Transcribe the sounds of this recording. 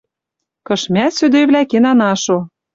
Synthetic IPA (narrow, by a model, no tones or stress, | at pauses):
kɤ̆ʃmʲæsød̪øjβlʲækenɑnɑʃo